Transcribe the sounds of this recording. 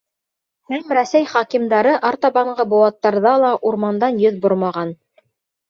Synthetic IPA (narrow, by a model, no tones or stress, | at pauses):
hæmɾæsæjχɑkimd̪ɑɾɤʔɑɾt̪ɑβɑɴɢɤbŏwɑt̪ːɑɾðɑlˠɑʔuɾmɑnd̪ɑnjɵðboɾmɑʁɑn